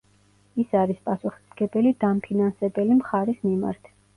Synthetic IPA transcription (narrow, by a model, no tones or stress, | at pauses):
isaɾispʼasuχi̥sɡɛbɛlid̪ampʰinansɛbɛlimχaɾismima̰ɾt̪ʰ